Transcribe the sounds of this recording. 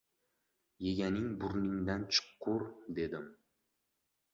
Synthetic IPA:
je̞ɡʲanɪŋbʊɾnɪŋd̪ant͡ʃʰɨ̥qʰːʊɾd̪e̞d̪ɪm

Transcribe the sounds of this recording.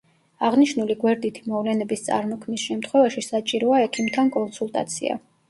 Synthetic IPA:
aʁniʃnuliɡwɛɾd̪it̪ʰimɔvlɛnɛbist̪sʼa̰ɾmɔkʰmnisʃɛmt̪ʰχwɛvaʃisat͡ʃʼiɾɔaɛkʰimt̪ʰankʼɔnsulˠt̪ʼa̰t̪sʰḭa̰

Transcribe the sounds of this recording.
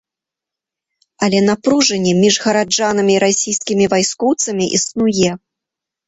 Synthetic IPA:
ɐlʲɛnapɾuʐɐnʲːɛmʲiʐɣɐɾad͡ʐanɐmʲiːɾasʲijskʲimʲivajskɔwt̪sɐmʲiʔḭsnujɛ

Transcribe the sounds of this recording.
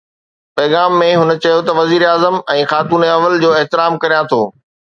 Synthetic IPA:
pɐːɣaːmːẽɦʊn̆t͡ɕɐjot̪ɐʋɐziːɾaːzəmɛ̃ːxaːt̪uːneɐʋəld͡ʑoːɪɦt̪ɪɾaːmkɐɾijãt̪ʰoː

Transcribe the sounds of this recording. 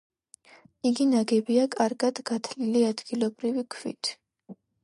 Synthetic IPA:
iɡinaɡɛbiakʼaɾɡad̪̥ɡat̪ʰliliad̪ɡ̥ilˠɔbɾivikʰvḭt̪ʰ

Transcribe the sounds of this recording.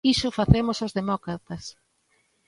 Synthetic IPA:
isʊfaθemosozðemɔkɾat̪ɐs

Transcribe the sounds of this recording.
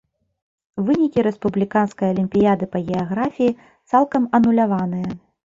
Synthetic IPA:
vɨnʲikʲiɾɛspublʲikanskɐjɐlʲimʲpʲijad̪ɨpɐɣʲɛaɣɾafʲiji | t̪salˠkɐmɐnulʲavanɨjɐ

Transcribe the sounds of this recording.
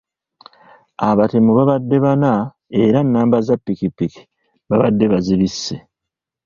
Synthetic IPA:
aβate̞muβaβadːe̞βana | e̞ɾanːaːmbazapːikipːiki̥ | βaβadːe̞βaziβisːe̞

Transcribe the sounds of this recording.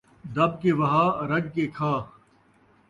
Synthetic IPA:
d̪ɐb̚keːʋɐɦaːɾɐɡkekʰaː

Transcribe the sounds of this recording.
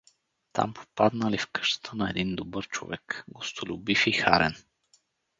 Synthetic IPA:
t̪ʰa̰mpʰo̥pad̪nəlifkə̥ʃt̪ə̥t̪ʰənɐɛd̪ind̪obəɾt͡ʃo̰vɛkɡost̪olʲubifixa̰ɾɛ̰n

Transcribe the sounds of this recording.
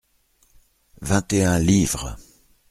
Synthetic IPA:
vɛ̃t̪eɛ̃livʁə̰

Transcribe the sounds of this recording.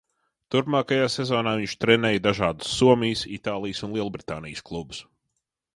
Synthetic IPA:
t̪uɾpmaːkajaːsezoːnaːviɲt͡ʃt̪ɾɛnɛːjd̪aʒaːd̪u̥sːuɔmijsit̪aːlˠijsunlˠiɛlˠubɾit̪aːnijsklˠubʊ̥s

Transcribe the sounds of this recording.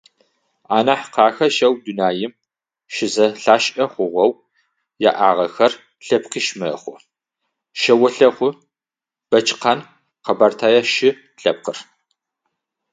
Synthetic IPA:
aːnɐħqɑːxɐʃɐwdunaːjɪm | ʃɪzɐɬaːʃʼɐχʷʊʁʷɐw | ja̰ʔaːʁɐxɐr | ɬɐpqiːʃmɐχʷʊ | ʃɐwɐɬɐχʷʊ | b̥ɐt͡ʃʰʼqɑn | qɐbaːrtʰaːjɐʃɪ | ɬɐp̚qər

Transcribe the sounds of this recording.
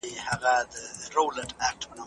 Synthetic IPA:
ihaɣad̪əɾowləʈak̚ʈpəna

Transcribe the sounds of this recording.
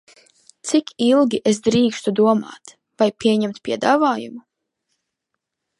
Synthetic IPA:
t̪sikilˠɡʲiʔesd̪ɾiːkst̪ud̪uɔma̰ːt̪ | vajpʲiɛɲɛmt̪pʲiɛd̪aːvaːjṵmu

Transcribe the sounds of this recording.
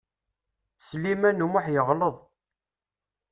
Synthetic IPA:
slimænumʊħjəʁləðˤ

